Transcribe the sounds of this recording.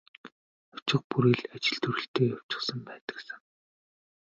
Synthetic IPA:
ʊ̥t͡ɕɪ̆χ̚puɾiːɮat͡ɕɪ̆ɮt̪ʰɵɾɘ̆ɬt̪eːjaw̥t͡ɕɪ̆χsə̆mpæːt̪ə̥̆ksɘ̆ŋ

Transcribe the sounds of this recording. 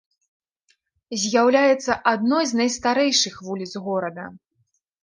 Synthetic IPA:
zʲjawlʲajɛt̪sːɐʔad̪nɔjznɐjst̪aɾɛjʂɨxvulʲit̪sɣɔɾɐd̪ɐ

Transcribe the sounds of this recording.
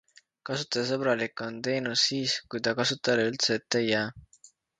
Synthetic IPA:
kɑsut̪ːˑɑɑs̬ɤb̥ɾɑlikːˑo̞nt̪e̞ːnusːiːskujt̪ɑkɑsut̪ːˑɑleylt̪seːt̪ːejːæː

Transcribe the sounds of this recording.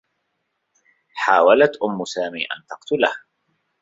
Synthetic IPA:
ħaːwalat̪ʔʊmːʊsaːmḭːʔa̰nt̪ɑqt̪ʊlah

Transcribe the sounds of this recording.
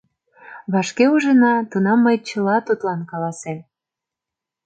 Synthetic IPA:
βɑʃkeuʒənɑt̪unɑmːəjt͡ɕə̆lɑt̪ut̪lɑnkɑlɑsem

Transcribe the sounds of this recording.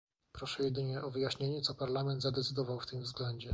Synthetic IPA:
pɾɔʂɛjɛd̪ɘɲɛʔɔvɘjaɕɲeɲɛt̪sɔpaɾlamɛnd̪zad̪ɛt̪sɘd̪ɔvawft̪ɘmvzɡlɛɲd͡ʑɛ

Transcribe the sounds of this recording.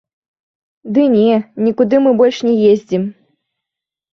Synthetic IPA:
d̪ɨnʲɛnʲikud̪ɨmɨbɔlʲʂnʲɛjezʲd͡zʲim

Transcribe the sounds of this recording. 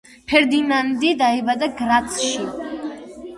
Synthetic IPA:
pʰɛɾd̪inand̪id̪aibad̪aɡɾat̪sʰʃi

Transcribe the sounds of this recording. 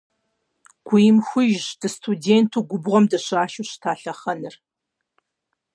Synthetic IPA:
ɡ̥ʷijɪmxʷʊʒdɨstʰudeːntʰuːɡʷʊbʁʷɔmdɐɕaːʃuɕtʰaːɬɐχɐnɨr

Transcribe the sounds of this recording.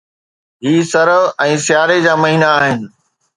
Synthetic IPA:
ɦiːsɐɾəɛ̃ːsɪjaːɾed͡ʑaːmɐɦiːnaːɦɪnɪ̆

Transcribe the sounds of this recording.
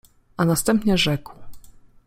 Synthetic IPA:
ʔanast̪ɛmpɲɛʐɛkw

